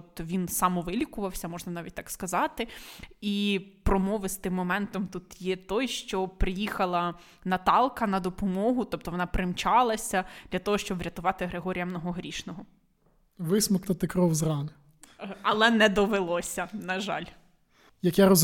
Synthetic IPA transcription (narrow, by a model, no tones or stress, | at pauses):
ɔpt̪ɔʋʲinsɑmɔʋɪlʲikʊʋɐwsʲɐmɔʒnɐnɑʋʲit̚ʲt̪ɑkskɐzɑt̪ɪipɾɔmɔʋɪst̪ɪmːɔmɛnt̪ɔmt̪ut̪jɛt̪ɔjʃt͡ʃɔpɾɪjixɐlˠɐ | nɐt̪ɑlˠkɐnɐd̪ɔpɔmɔɦʊt̪ɔp̚t̪ɔʋɔnɑpɾɪmt͡ʃɑlˠɐsʲɐd̪̥lʲɐt̪ɔɦɔʃt͡ʃɔbʋɾʲɐt̪ʊʋɑt̪ɪɦɾeɦɔɾʲijɐmnɔɦɔɦɾʲiʃnɔɦɔ | ʋɪsmɔkt̪ɐt̪ɪkɾɔwzrɑnɪ | ɐlˠɛnɛd̪ɔʋelˠɔsʲɐnɐʒɑ̰lʲ | jɐkjɛɾɔz